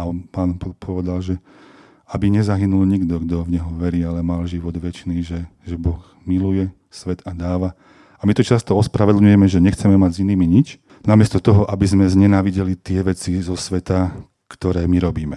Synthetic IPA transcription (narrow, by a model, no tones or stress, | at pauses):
aɔpaːnpɔpʰɔʋɛd̪alʒɛ | abiɲɛzaɦinulɲiɡd̪ɔɡd̪ɔvɲɛɦɔʋɛɾiːalɛmalʒiʋɔd̪ʋɛt͡ʃniːʒɛʒɛbɔx | milujɛ | sʋɛd̪ad̪aːʋa | amit̪ɔt͡ʃast̪ɔɔspɾaʋɛd̪lɲujɛmɛʒɛɲɛxt͡sɛmɛmaɟziniːmiɲit͡ʃ | namɪɛst̪ɔt̪ɔɦɔʔabizmɛzɲɛnaːʋiɟɛlit̪ɪɛʋɛt͡sizɔsʋɛt̪a | kt̪ɔɾɛːmiɾɔbiːmɛ